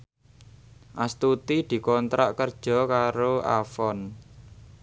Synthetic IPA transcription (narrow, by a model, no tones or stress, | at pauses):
ʔast̪ut̪id̪̥i̤kɔnt̪ɾa̰ʔkərd̥ʒ̥ɔ̤kaɾoa̰fɔn